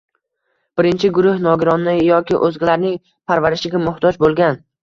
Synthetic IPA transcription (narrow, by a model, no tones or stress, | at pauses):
b̥ɪɾɪnt͡ʃʰɪɡʊɾʊhnɒɡʲɪɾɒnːɪjɒkʲɪʔɵzɡʲɪlaɾnɪŋ | pʰaɾvaɾɪʃɪɡʲamʊht̪ʰɒd͡ʒbolˠɡʲan